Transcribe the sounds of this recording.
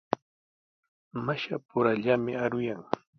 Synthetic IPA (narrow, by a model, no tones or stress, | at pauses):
maʃapʊɾaʎamɪaɾʊjaŋ